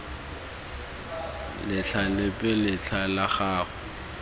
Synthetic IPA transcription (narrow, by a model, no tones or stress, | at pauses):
lɪt͡ɬʰalɪpʼɪlɪt͡ɬʰalaχaːχʊ